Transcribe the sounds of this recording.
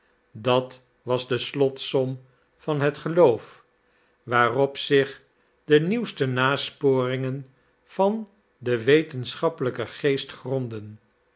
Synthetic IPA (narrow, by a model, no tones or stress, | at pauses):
dɑt | ʋɑzdəslɔtsɔm | vɑnɦətχəlowf | ʋaːrɔpsɪχ | dəniwstənaːspoːrɪŋən | v̥ɑn | dəʋejtənsχɑpələkəχejstχrɔndən